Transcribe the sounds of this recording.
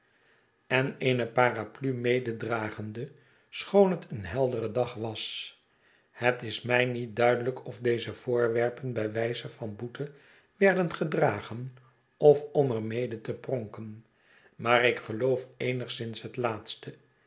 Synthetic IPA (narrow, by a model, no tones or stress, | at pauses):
ɛnejnəpaːraplymejdədraːχəndə | sχownɦətʰənɦɛlˠdərədɑχʋɑs | hətɪsmɛjnit̚dœɥdələkʰɔvdejzəv̥ʊːɹʋɛɹpənbɛʋɛjzəvɑnbutʰə | ʋɛɹdənχədraːχən | ɔfɔməɹmejdətəprɔŋkən | maːrɪkχəlowfejnəχsɪnsɦətlaːt̪stə